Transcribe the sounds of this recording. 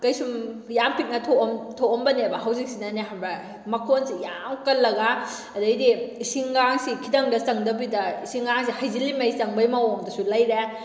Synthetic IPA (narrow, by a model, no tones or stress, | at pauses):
kɐjsumjampit̚nɐtʰomtʰoombɐnebɐɦɐwzik̚sinɐneɦabɐ | mɐkʰonsijamkɐlːɐɡa | ɐdɐjdisiŋɡaŋsikʰidɐŋdɐsɐŋdɐbidɐisiŋɡaŋs̬ihajzilimɐjsɐŋbɐjmɐwomdɐsulɐjɾe